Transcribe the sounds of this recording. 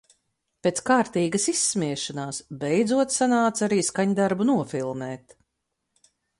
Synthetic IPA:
pʲeːt̪skaːɾt̪iːɡɐsisːmʲiɛʃanaːsbɛjd̪zuɔt̪sanaːt̪saɾiːskaɲd̪aɾbunuɔfilˠmɛːt̪

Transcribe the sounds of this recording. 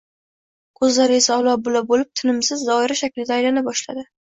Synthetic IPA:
kʰɵzlaɾɪɪsɒwlˠɒbʊlabolɪp̚t̪ʰɪnɪmsɪzːɒɪɾaʃakʲlɪd̪aːjlanɪp̚bɒʃla̰d̪ɪ

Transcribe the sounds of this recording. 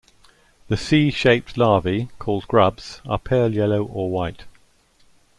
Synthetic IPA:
ðəsiːʃeɪp̚tlɑːvikʰɔːlˠdɡɹʌbz̥ə̰pʰɛːljɛləʊʔəwaɪt

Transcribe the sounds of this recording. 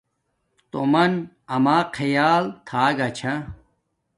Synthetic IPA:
t̪omɐn | ɐmaːqʰɐjaːlt̪ʰaːɡat͡ɕʰa

